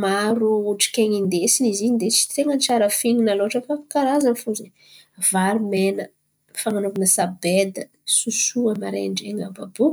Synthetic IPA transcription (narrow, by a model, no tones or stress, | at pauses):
maɾuuʈ͡ʂi̥kʲeŋind̪esiniziɲid̪et͡si̥t̪eŋənt͡ʃaɾəfininaloaʈ͡ʂəfafi̥kaɾazanifuzin | vaɾimenə | faŋanukunəsabed̪ə | susuəmaɾḛɳɖ͡ʐeŋababu